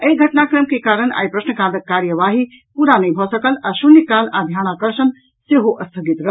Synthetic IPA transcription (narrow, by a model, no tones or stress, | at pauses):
əiɡʱəʈnakɾəmkekaɾəna̰jpɾəsnəkãd̪əkːaɾjəʋaɦi | puɾanəjbʱɔsəkəlasunikalad̪ʱjanakəɾsən | seɦoʔəst̪ʰəɡit̪ɾəɦ